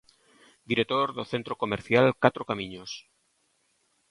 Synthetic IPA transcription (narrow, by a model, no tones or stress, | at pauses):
d̪iɾek̚t̪oɾðoθe̞nt̪ɾo̞ko̞meɾθjalkat̪ɾokamĩɲos